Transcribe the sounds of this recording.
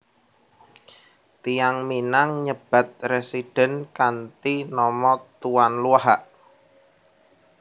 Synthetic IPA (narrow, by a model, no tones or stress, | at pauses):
t̪ijaŋminaŋɲəb̥ä̤t̪̚resiɖ̥ɛ̤nkant̪inɔmɔt̪uwanluaɦaʔ